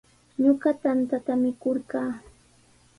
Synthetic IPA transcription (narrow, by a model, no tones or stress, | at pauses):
ɲoɢɑt̪ant̪at̪amɪkoɾɢɑː